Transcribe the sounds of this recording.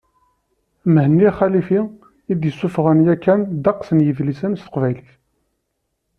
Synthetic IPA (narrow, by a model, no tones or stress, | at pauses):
mhənːiæχælifi | id̪jəsːufʁənjækːænd̪ɑqsənjəvlisənst̪ə̥qvæjliθ